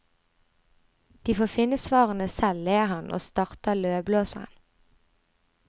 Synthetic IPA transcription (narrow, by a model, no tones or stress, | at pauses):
d̪̥iːfoːfɪnəsʋɑːʁənəsɛlleːʁhɑnʔo̰ːst̪ɑʁt̪əløːbloːsəʁə̰n